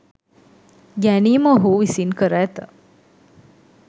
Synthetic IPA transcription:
ɡæniːməːɦuʋisinkəɾæːt̪ə

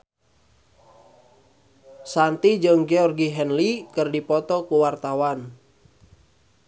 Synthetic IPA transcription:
sant̪id͡ʒəŋɡɛɔrɡiɦɛnlikɨrdipɔt̪ɔkuwart̪awan

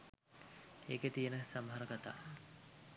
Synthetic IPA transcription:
eːket̪ijənəsamɦaɾəkat̪a̰ː

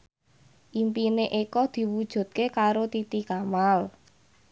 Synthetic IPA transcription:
ʔimpineʔekɔd̪̥i̤wud̥ʒ̥ṳt̪̚kekaɾot̪it̪ikamal

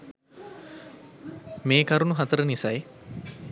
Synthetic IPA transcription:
meːkaɾunuɦat̪əɾənisaj

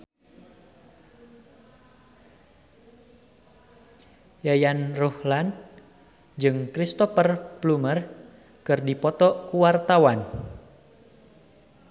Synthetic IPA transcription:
jajanruhland | d͡ʒɨŋkɾist̪ɔfərplumər | kɨrdipɔt̪ɔkuwart̪awan

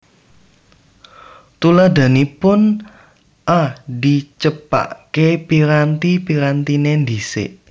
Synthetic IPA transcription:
t̪ulad̪a̤nipʊn | ʔadi̤t͡ʃəpa̰ʔkepiɾant̪ipiɾant̪inend̪isɪ̰ʔ

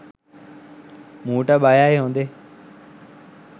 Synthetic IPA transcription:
muːʈaɓaːjaːeɦõːnd̪eː

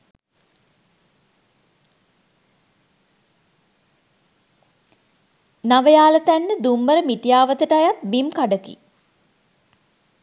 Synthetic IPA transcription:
naʋəjaːlət̪ænːəd̪umːəɾəmiʈijaːʋət̪əʈajat̪̚bimkaɖəkḭ

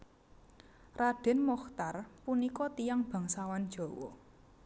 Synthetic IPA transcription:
raɖ̥ɛ̤nmɔxt̪arpunikɔt̪ijaŋb̥a̤ŋsawan̥ʒ̥ɔ̤wɔ̰

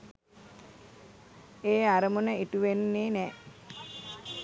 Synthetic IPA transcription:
eːaɾəmunəiʈuʋenːeːnɛː

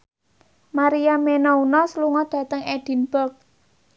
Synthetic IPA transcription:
maɾijamenɔunɔsəluŋɔd̪̥ä̤t̪əŋɛd̪̥i̤nb̥ɔ̤k̚

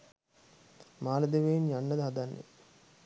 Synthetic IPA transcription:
maːləd̪eʋejnjanːəd̪əɦad̪anːḛ

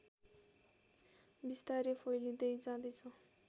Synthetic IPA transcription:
bist̪aɾipʰojlid̪ejd͡zãd̪ʌjt͡sʰʌ

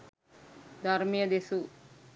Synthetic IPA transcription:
d̪ʱɐɾmijɐd̪esu

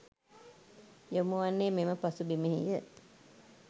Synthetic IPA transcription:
jomuʋanːeːmeməpasubimeɦḭjə

